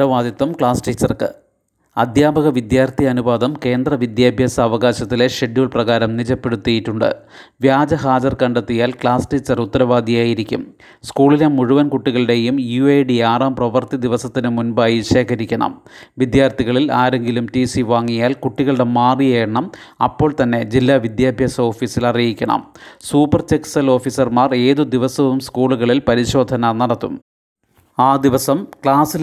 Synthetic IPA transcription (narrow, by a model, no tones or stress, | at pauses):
ɾɐʋaːd̪jit̪ːɐmkɭaːsʈit͡ɕːɐrkɨ̰ | ɐd̪ʱjaːbʱɐɣɐʋid̪jaːrt̪iɐnubaːd̪ɐmke̞ːnd̪rɐʋid̪jaːbʱjɐsɐʋɐɣaːɕɐt̪ːile̞ɕeɖjuːɭprɐɣaːɾɐmnid͡ʑɐpːe̞ɽut̪ːijiʈːuɳɖɨ̰ | ʋjaːd͡ʑɐɦaːd͡ʑɐrkɐɳɖɐt̪ːijaːlkɭaːsʈiːt͡ɕːɐrut̪ːɐɾɐʋaːd̪ʱijaːjiɾikʲːṵm | skuːɭine̞muɻuʋɐnkuʈːiɣɐɭɨɽe̞jumjuejɖiaːrɐːmprɐʋɐrt̪id̪iʋɐsɐt̪ːinɨmunbaːjiɕe̞ːkɐɾikʲːɐɳɐ̰m | ʋid̪jaːrt̪iɣɐɭilaːɾe̞ŋɡilumtisiʋaːŋːijaːlkuʈːiɣɐɭɽe̞maːrijeːɐɳɐmɐ̰pːo̞ːɭt̪ɐnːe̞d͡ʑilːaʋid̪jaːbʱjɐsɐo̞ːfiːsilɐrijikʲːɐɳɐ̰msuːpːɐrt͡ɕeksɐlo̞ːfisɐrmaːre̞ːðud̪iʋɐsɐʋumskuːɭuɣɐɭilpɐɾiɕo̞ːd̪ʱɐnɐnɐɽɐt̪ːṵm | aːd̪iʋɐsɐmkɭaːsi